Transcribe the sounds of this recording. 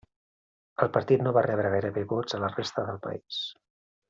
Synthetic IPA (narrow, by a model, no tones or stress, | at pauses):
əlˠpəɾt̪it̪noβarɛβɾəɣajɾəβeβod͡zələrest̪əðəlˠpə̰is